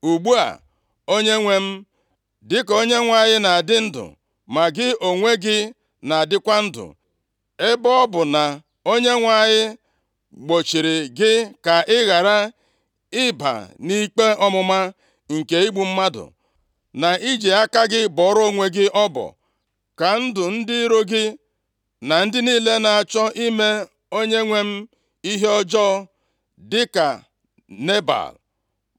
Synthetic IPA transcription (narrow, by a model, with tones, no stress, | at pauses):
u˨ɡ͡bu˦a̰˨ | o˦ɲe˦ŋʷe˦m̩˦ | dɪ˦ko˦ɲe˦ŋʷa˨ɲɪ˦na˨a˨dɪ˦n̩˦dʊ̰˨ | ma˨ɡɪ˦o˨ŋʷe˦ɡɪ˦ | na˨a˨dɪ˦kʷa˦n̩˦dʊ̰˨ | ɪ˦bɔ˦ɔ˦bʊ˨na˨ | o˦ɲe˦ŋʷa˨ɲɪ˦ | ɡ͡bo˨t͡ʃi˨ɾɪ˨ɡɪ˦ka˨ɪ˦ɣa˨ɾa˦ | ɪ˦ba̰˨ni˦k͡pe˦ɔ˦mʊ˦ma˦ | ŋ̩˨ke˨i˦ɡ͡bu˨m̩˦ma˦dʊ̰˨ | na˨i˦d͡ʒe˨a˦ka˦ɡɪ˦bɔ˨˦ɾo˦ŋʷe˨ɡɪ˦ʔɔ˦bɔ̰˨ | ka˨n̩˦dʊ˨n̩˦dɪ˦ɾo˦ɡɪ˦ | na˨n̩˦dɪ˦niː˦le˦na˨a˨t͡ʃɔ˦ʔi˦me˦ | o˦ɲe˦ŋʷe˦m̩˦ | i˦ɦe˦ɔ˦d͡ʒɔ˦ | dɪ˦ka̰˨ | ne˦ba̰˨l